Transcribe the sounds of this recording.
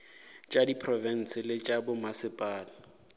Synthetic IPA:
t͡ʃʼadipʰrɔvɛn̩sɪlɪt͡ʃʼabʊmasɪpʼaːlɪ

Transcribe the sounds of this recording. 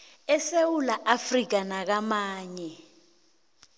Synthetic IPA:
ɛsewulaʔafrik̬ʼanak̬amaːɲɛ

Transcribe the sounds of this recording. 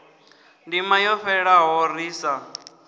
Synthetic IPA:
ndimajɔɸɛɺaɦɔriːsa

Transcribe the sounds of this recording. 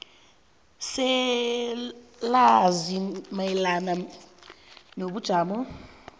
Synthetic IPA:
sɛ | lazimailana | noβud̥ʒ̥ʱaːmɔ

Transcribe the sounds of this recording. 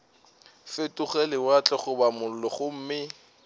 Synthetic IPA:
fɪtʼuχɛlɪwat͡ɬʼɛχʊbamʊl̩lɔχʊm̩mɪ

